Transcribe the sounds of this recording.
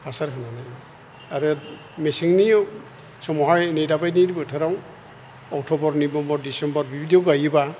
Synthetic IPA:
basaɾkʰananaj | aɾɔ | mesiŋni | sɔmɔɦajnijdabajnidibɔtʰaɾaw | ɔk̚tʰɔbɔɾnibɔmbɔɹdisɔmbɔɹbibʱidjɔɡajba

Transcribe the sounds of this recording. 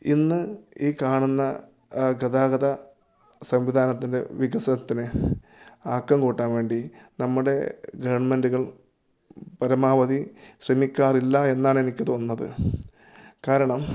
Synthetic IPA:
inːɨiːkaːɳunːɐ | ɡɐd̪aːɡɐðɐ | sɐmʋid̪ʱaːnɐt̪ːinde̞̰ʋiɡɐsɐnɐt̪ːinɨ | aːkːɐmkuːʈːaːnʋe̞ːɳɖinɐmːuɽe̞ɡɐʋɐɳme̞nduɣɐɭ | pɐɾɐmaːʋɐd̪iɕremikʲːaːrilːɐe̞nːaːɳenikʲːɐt̪oːnːɐðɨ̰ | kaːɾɐɳɐm

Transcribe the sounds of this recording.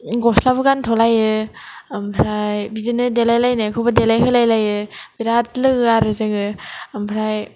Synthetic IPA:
ɡɔslabɯɡantʰɔlajɯ | mpʰɾajbizinɯdelajlajnakʰɔbadelajkʰɯlajlajɯbiɾat̚lɯɡɯaɾɯzɯŋɯampʰɾaj

